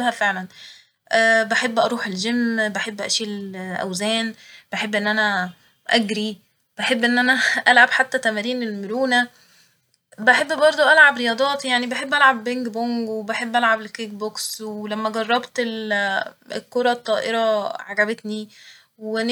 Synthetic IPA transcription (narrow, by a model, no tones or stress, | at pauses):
hæfeʕlæn | ʔæːbeħebːʔɑɾˤuːħelʒemːbeħebːʔæ̰ʃiːlʔæ̰wzæːnb̥eħebːʔenːʔænæ | ʔæɡɾi | b̥æħebːʔenːʔænæʔælʕabħat̪ːæt̪æmæɾiːnelmoɾuːnæ | beħebːbɑɾˤd̪ˤoʔælʕabɾejɑːd̪ˤɑːt̪jaʕnibeħebːʔælʕabːeŋɡboŋɡwebeħebːʔælʕablekikbokswelæmːæɡɑrˤːɑbt̪el | ekːoɾˤɑt̪ˤːɑːʔeɾɑʕaɡæbet̪ni | we